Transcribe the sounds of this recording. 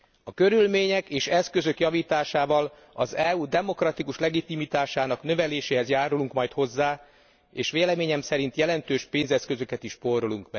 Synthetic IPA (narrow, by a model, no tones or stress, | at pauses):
ɒkø̞ɾylmeːɲɛkeːʃɛskø̞zø̞kjɒviːt̪aːʃaːvɒl | ɒzɛuːd̪ɛmo̞krɒt̪ikuʃlɛɡit̪imit̪aːʃaːnɒknø̞vɛleːʃeːɦɛzjaːɾuluŋkmɒjt̪ho̞zːaː | eːʃʋeːlɛmeːɲɛmsɛɾin̪t̪jɛlɛnt̪øːʃpeːnzɛskø̞zø̞kɛt̪iʃpo̞ɾoluŋkmɛɡ